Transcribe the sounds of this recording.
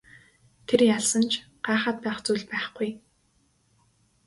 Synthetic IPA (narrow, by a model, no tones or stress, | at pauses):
t̪ʰerjaɮsə̆nt͡ɕʰ | ɢ̥aːχaːt̪̚pæːχt͡suːɮpæːχɡuj